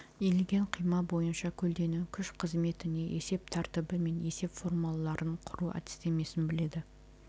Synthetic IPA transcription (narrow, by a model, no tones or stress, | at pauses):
elɡʲe̞ɴqʰijmɑbo̞jənʃɑkʲʰɵld̪e̞nukʲʰʏʃqʰəzme̞t̪ɪne̞ʔe̞se̞p̚t̪ʰæɾt̪ɪbɪme̞ne̞se̞pfo̞rmalˠːɑɾəɴqʰʊɾuæ̰t̪ɪ̥st̪eme̞sɪnbɪle̞d̪ɪ